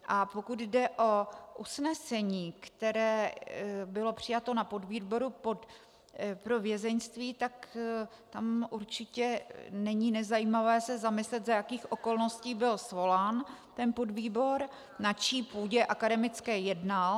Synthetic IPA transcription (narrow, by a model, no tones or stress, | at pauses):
ʔapo̞kud̪dɛʔo̞ʔusnɛsɛɲiːkt̪ɛɾɛː | bɪlo̞pr̝̥ɪjat̪o̞napo̞dviːbo̞ɾupot̪ | pɾo̞vjɛzɛnst̪viːt̪akt̪amʔuɾt͡ʃɪcɛnɛɲinɛzajiːmavɛːsɛzamɪslɛt̪zajakiːxʔo̞ko̞lno̞sciːbɪlsvo̞laːnt̪ɛnpo̞dviːbo̞ɾ | nat͡ʃiːpuːɟɛʔakadɛmɪt͡skɛːjɛdnal